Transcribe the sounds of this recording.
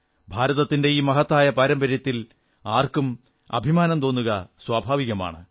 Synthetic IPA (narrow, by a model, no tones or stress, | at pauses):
bʱaːɾɐðɐt̪ːinde̞iːmɐɦɐt̪ːaːjɐpɐɾɐmbɐɾjɐt̪ːil | aːrkum | ɐ̰bʱimaːnɐmt̪o̞ːnːuɣɐswaːbʱaːʋiɣɐma̰ːɳɨ